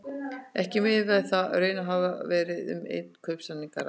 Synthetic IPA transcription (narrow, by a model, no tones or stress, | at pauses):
ɛhcɪmɪðvaðθaɾœːɥnaɦaːvavɛːɾɪðʏ̰mḛjt̪̚n̥kʰœɥpsanːiŋkaɾa̰